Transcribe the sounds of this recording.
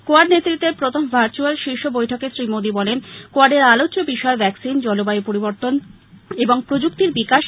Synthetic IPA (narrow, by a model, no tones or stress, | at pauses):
koaɖnet̪ːɾit̪ːeɾpɾot̪ombʱaɾt͡ɕualʃiʃobojʈʰokesɾimod̪ibɔlenkoaɖeɾalot͡ɕobiʃɔebʱɛksind͡ʑɔlobajipoɾiboɾt̪on | eboŋpɾod͡ʑuk̚t̪iɾbikaʃ